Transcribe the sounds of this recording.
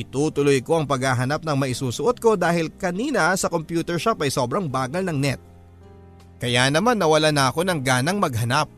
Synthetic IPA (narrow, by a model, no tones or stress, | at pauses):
ʔɪt̪uːt̪ʊlojko̞ʔɐŋpɐɡhaːɦɐnap̚nɐŋmɐʔɪsuːsʊʔo̞t̪̚ko̞d̪aːhɪlkɐniːnɐsɐkompjuːt̪ɛɹʃapɐjso̞ːbɾɐŋbaːɡɐlnɐŋnɛt̪̚ | kɐjanɐmanːɐwɐlanɐɐko̞nɐŋɡaːnɐŋmɐɡ̚ɦɐnap̚